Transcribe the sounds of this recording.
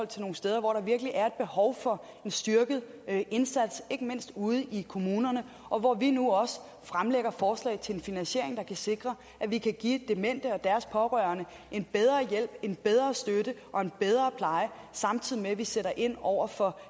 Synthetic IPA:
ɒ̽l̰t͡sʰe̝lno̝ːn̩sd̥eːð̞ˠɐʋɒ̰ɾɑ̈ʋiɐɡ̥əliʔæɐe̝d̥̚b̥e̝hɒʊfɒ̽ | e̝nsd̥yɐɡ̥əð̞̩ˠ | e̝nsæd̥se̝ɡ̥əme̝n̰sd̥uð̞̩ˠikʰo̝muːnɐnə | ʔɒ̽ʋɒʋinuɒ̽s | fʁamleɡ̥ɐfɒːslɛ̰ɪt͡sʰe̝enfinænsɕe̝ɐ̰e̝ŋd̥ɑ̈kʰæse̝ɡ̥ʁɐ | ʔæʋikʰæɡ̥ḭːd̥emen̰d̥əɒ̽d̥æɐspʰɒ̽ʁœɐnə | ʔe̝nb̥eð̞ˠʁɐːjel̰b̥e̝nb̥eð̞ˠʁɐːsd̥ødəʔɒ̽e̝nb̥eð̞ˠʁɐːpʰlɑ̈ɪə | sɑ̈mt͡sʰið̞̰ˠimeʋiseɾɐʔe̝n̰ɒʊ̰ɐfɒ̽

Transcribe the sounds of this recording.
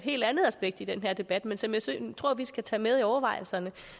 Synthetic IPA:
ɦe̝̰ːld̥ænð̞̩ˠæsb̥eɡ̥̚d̥id̥enɦeɐ̰d̥e̝b̥æd̥mensɒ̽mjäɪst͡sʰʁo̝ɐ̰ʋisɡ̥æt͡sʰɛːmeð̞ˠiɒʊɐʋɑ̈ɪ̰l̩sɐnə

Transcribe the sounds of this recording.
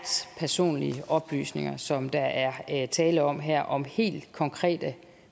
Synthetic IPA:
pʰæɐso̝̰ːnliəʔɒ̽b̥ly̰ːsne̝ŋɐsɒ̽md̥ɑ̈ʔæɐt͡sʰɛːləɒ̽m̰ɦɛɐ̰ʔɒ̽mhe̝̰ːld̥kʰɒ̽ŋkʰʁɛ̰ːd̥ə

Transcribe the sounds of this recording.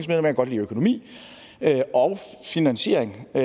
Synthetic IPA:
ŋsmeðˠlemæɐɡ̥ɒ̽d̥lḭːøkʰo̝no̝mḭː | øʔɒ̽ʊfinænɕe̝ɐ̰eŋ

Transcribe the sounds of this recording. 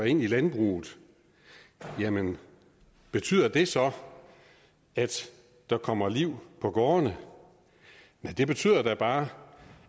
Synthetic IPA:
e̝nilænb̥ʁṵːð̩ˠ | jæmən | b̥e̝t͡sʰy̰ːð̰ˠɐd̥e̝sɒ̽ | æd̥ | d̥ɑ̈kʰɒ̽m̰ɐliʊ̰pʰɒ̽ɡ̥ɒːnə | næd̥e̝b̥e̝t͡sʰy̰ð̰ˠɐd̥æb̥ɑ̈ː

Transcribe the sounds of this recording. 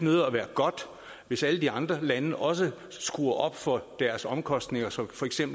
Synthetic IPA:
nøðˠɐɒʋæːɐɡ̥ɒ̽d̥ | ʋe̝sæləd̥iɑ̈nd̥ʁɐlænəəʔɒ̽s̬ə | sɡ̥uːɐʔɒ̽b̥fɒ̽d̥æɐsɒ̽mkʰɒ̽sd̥ne̝ŋɐsɒ̽mfɒ̽eɡ̥sem̰b̥

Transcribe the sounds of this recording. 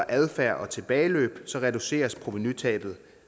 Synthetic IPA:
ɐʔæðˠfæɐ̰ʔɒ̽t͡sʰe̝b̥ɛːɪlø̰ːb̥sɒ̽ʁɛduse̝̰ːɐspʰʁo̝ʋinyt͡sʰɛ̰ːb̥ð̞̩ˠ

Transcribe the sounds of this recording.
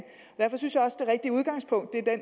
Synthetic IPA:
ɒd̥æɐfɒ̽synsjɑ̈ɒ̽səd̥e̝ʁeɡ̥̚d̥iəuð̞ˠɡ̥ɑ̈ŋ̰spʰɔ̽ŋ̰d̥ːe̝ɐd̥en

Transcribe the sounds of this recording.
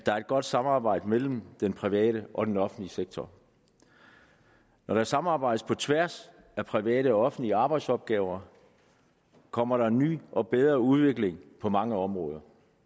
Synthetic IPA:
d̥ɑ̈æɐe̝d̥̚ɡ̥ɒ̽d̥sɑ̈mɑ̈ːb̥ɑ̈ɪ̰d̥əmel̰m̩d̥enpʰʁiʋɛ̰ːɾəʔɒ̽d̥enɒ̽fn̩dliseɡ̥̚t͡sʰɒ | nɒɾɑsɑ̈mɑ̈ːb̥ɑ̈ɪd̥əspʰɒ̽t͡sʰʋæɐ̰s | æpʰʁiʋɛ̰ːɾəɒɒ̽fn̩dliəɑ̈ːb̥ɑ̈ɪd̥sɒ̽b̥̚ɡ̥ɛːʊɐ | kʰɒ̽m̰ɐɾɑ̈enːy̰ːʔɒ̽b̥eð̞ˠʁɐuð̞ˠʋe̝ɡ̥le̝ŋpʰɒ̽mɑ̈ŋəɒ̽mʁɔ̽ːð̞ˠɐ

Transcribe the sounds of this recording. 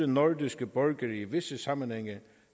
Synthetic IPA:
ənɔɹd̪ɪsɡ̥əbœɹɡəɾiːʋɪsəsamənhɛŋə

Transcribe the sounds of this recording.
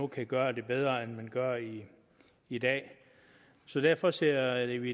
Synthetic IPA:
okʰæɡ̥ɶːɐd̥e̝b̥eð̞ˠʁɐenmænɡ̥ɶɐiː | d̥ɛ̰ː | sɒ̽d̥æɐ̰fɒ̽seɐ̰d̥e̝ʋi

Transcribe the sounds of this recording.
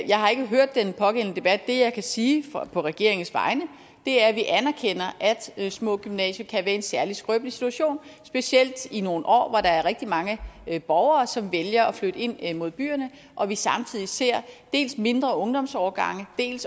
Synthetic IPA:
jɑ̈ɪhɑ̈e̝ɡ̥əɦøɐ̰d̥ːenpʰɒ̽ɡ̥en̰nəd̥e̝b̥æd̥ːe̝jɑ̈ɪkʰæsiːfpʰɒ̽ʁɛɡ̥e̝ɐ̰eŋn̩sʋɑ̈ɪnə | d̥e̝æɐʋiʔænæɐkʰen̰ɐʔæd̥smɔ̰̽ɡ̥ymnɛ̰ːɕɐkʰæʋæɐe̝nsæɐlisɡ̥ʁœb̥lisi̥t͡sʰuæɕo̝̰ːnsb̥e̝siel̰d̥ino̝ːn̩ʔɒ̰ːʋɒɾ̥ɑ̈æɐʁɛɡ̥̚d̥imɑ̈ŋəb̥ɒʊɐːsɒ̽mʋeljɐɒ̽fløɾ̥əe̝n̰mo̝ð̞ˠb̥y̰ːɐnə | ʔɒ̽ʋisɑ̈mt͡sʰið̰ˠise̝ɐ̰d̥e̝̰ːlsme̝nd̥ʁɐɔ̽ŋd̥ɒ̽msɒːɐɡ̥ɑ̈ŋ̰əd̥e̝̰ːls

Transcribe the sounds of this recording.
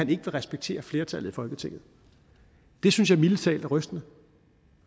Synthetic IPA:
æne̝ɡ̥əʋe̝lʁɛsb̥eɡ̥̚t͡sʰe̝̰ːɐfle̝ɐt͡sʰælð̩ˠifɒ̽lɡ̥ət͡sʰe̝ŋ̰ð̩ˠ | d̥e̝synsjɑ̈milət͡sʰɛ̰ːld̥æʁœsd̥ənə

